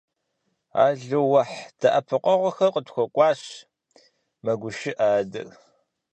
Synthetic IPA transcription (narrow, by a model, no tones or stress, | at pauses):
a̰ːɮɨwɐħd̥ɐʔɐpʰɨqʷʼɔʁʷɔxɐqʼətxʷɔkʷʼɑːɕ | mɐɡʷʊʃɪʔaːdɐ̰r